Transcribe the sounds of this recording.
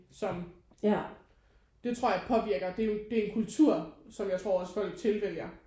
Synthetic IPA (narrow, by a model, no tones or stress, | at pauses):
sɒ̽m | d̥e̝t͡sʰʁo̝ɐ̰jäɪpʰɒ̽ʋiɐ̰ɡ̥ɐd̥e̝d̥e̝enkʰult͡sʰuɐ̰sɒ̽mjɑ̈ɪt͡sʰʁo̝ɐɒ̽sfɒ̽l̰ɡ̥t͡sʰe̝lʋel̰jɐ